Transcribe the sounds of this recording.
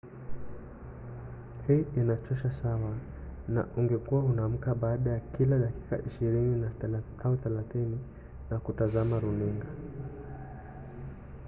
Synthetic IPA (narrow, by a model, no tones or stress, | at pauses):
hiːinat͡ʃɔʃasawa | na̰ʔuŋɡɛkuwahunam̩kaɓaːɗajakilaɗaki̥ka̰ʔiʃiɾinina | auθɛlaθini | nakutazamaɾuniŋɡa